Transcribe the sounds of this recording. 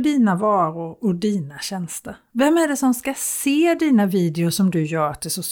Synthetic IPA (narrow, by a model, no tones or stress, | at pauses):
d̪iːnavɑːɾʊɾɔd̪iːnaɕɛnst̪əɾvɛmːæɖɛsɔmskaseːd̪iːnaviːd̪ɪʊʂɔmd̪ɵjœːɾat̪̚d̪ɛsɔs